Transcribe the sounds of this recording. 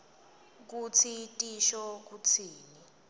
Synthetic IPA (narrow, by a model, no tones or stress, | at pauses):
k̬ut͡sʰitʼiʃɔk̬ut͡sʰiːni